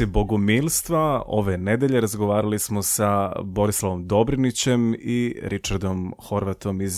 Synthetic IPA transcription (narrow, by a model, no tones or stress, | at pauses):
iboɡomiːlˠst̪ʋao̞̰ʋe̞ne̞d̪eʎe̞ɾazɡo̞ʋaːɾalismo̞sabo̞ɾislˠaʋo̞md̪o̞bɾinit͡ɕe̞miɾit͡ʃaɾd̪o̞mxo̞ɾʋat̪o̞miz